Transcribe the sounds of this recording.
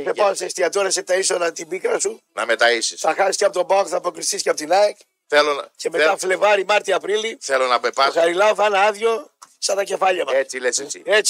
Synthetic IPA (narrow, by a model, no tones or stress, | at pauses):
θepɐost̪ɐst̪iɐt̪oɾɐset̪ɐisoðɐt̪ibikɾɐsunɐmet̪ɐisisθɐxɐsist̪ɐpot̪o̞bɐokθɐpokɾist̪isceɐpot̪inɐek | θelonse̞me̞t̪ɐfle̞vɐɾimɐɾt̪iɐpɾiliθelonɐpepɐxɐɾilɐoθenɐɐðʝo̞sɐnɐce̞fɐʎɐmɐeleseiet͡s